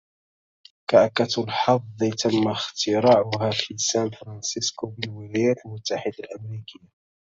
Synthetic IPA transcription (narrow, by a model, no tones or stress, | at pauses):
kaʔakːat̪lħɑfˤðˤt̪amːaxt̪ɪɾɑːʕʊɦaːfisaːnfɾˤɑnsɪskobɪlwɪlajaːt̪lmʊt̪ːaħɪd̪alʔamɾiːkɪjːa